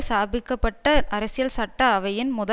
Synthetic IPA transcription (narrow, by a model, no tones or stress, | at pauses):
saːbɪkːɐpːɐʈːɐɐɾɐsɪjɐlsɐʈːɐːʋɐjɪnmʊðɐ